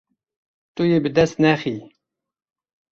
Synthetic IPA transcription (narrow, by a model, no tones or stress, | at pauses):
t̪ʼujibɨd̪ɛst̪nɛχi